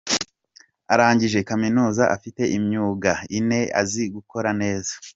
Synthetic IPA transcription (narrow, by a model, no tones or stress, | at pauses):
aɾaːɲɟiʒe̞kaminuːzaʔafite̞ʔimɲuːɡaine̞a̰ziɡuko̞ɾane̞ːza